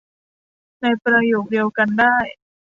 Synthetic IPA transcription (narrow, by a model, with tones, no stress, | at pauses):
na˧jpɾa˧joː˨˩k̪̚di˧əwka˧ndaː˥˩j